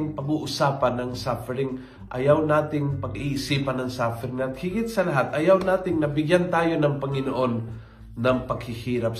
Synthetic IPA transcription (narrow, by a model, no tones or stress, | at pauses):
ɪŋpɐɡuʔʊsaːpanːɐŋsafɛɾɪŋ | ʔɐ̰jawnaːt̪ɪŋpɐɡiːʔɪsiːpanːɐŋsafɛɾɪŋat̪̚hɪɡɪt̪̚sɐlaɦat̪ʔɐjawnaːt̪ɪŋnɐbɪɡjant̪aːjo̞nɐŋpɐŋɪnoʔonː | ɐŋpɐɡhɪhiːɾap̚